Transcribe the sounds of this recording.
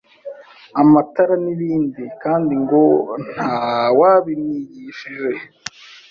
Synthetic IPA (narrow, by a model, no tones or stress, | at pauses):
amataɾaniβiːndikaːndiŋɡo̞n̥haːwaβimɲiɟiːʃiʒe̞